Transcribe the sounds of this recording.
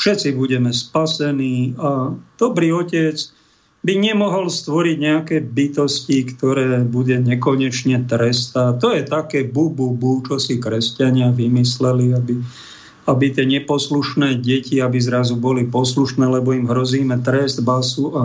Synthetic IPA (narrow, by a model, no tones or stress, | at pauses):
fʃɛt͡sibuɟɛmɛspasɛniːad̪̥ɔbɾiːɔcɛt͡s | biɲɛmɔɦɔlst̪ʋɔɾiɟɲɛakɛːbit̪ɔscikt̪ɔɾɛːbuɟɛɲɛkɔɲɛt͡ʃɲɛt̪ɾɛst̪at̪ɔjɛt̪akɛːbububut͡ʃɔsikɾɛscaɲɪaʋimislɛliabi | abit̪ɪɛɲɛpɔsluʃnɛːɟɛciabizɾazubɔlipɔsluʃnɛːlɛbɔimɦɾɔziːmɛt̪ɾɛzd̪basuʔa